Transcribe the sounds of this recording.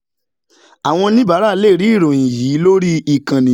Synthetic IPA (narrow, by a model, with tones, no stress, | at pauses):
a˨w̃ɔ̃˧nĩ˦ba˨˦ɾa˦le˦˨ɾi˦i˦˨ɾõ˨ĩ˨ji˨˦lo˦ɾi˦i˨kã˨nĩ˨